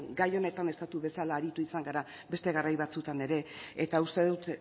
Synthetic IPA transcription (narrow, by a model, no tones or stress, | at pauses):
ɡajo̞ne̞t̪ane̞st̪at̪uβe̞salaːɾit̪uisaŋɡaɾa | be̞st̪e̞ɣ̞arajβat͡sut̪ane̞ɾe̞et̪aust̪e̞ðut̪